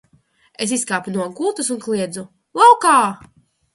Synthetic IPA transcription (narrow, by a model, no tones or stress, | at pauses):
es̬iskaːpunuɔmkulˠt̪usunkliɛd̪zu | lˠawkaː